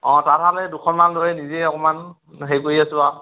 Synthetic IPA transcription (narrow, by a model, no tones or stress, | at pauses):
ɔ̃tatɦalɛdukʰɔnmanlojnizɛɔkɔman | ɦejkoɹiasʊa